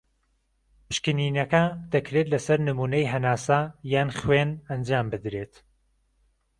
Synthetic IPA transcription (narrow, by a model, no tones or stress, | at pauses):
pɨ̥ʃkɨniːnɐkɐd̪̥ɐkɾet̪lɐsɐɾnɨmuːnɐjɦɐnaːsajaːnχwenɐnd͡ʒaːmbɨd̪ɾeːt̪